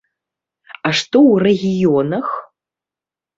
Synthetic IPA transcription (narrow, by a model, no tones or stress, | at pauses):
aʂt̪owreɣʲijonɐx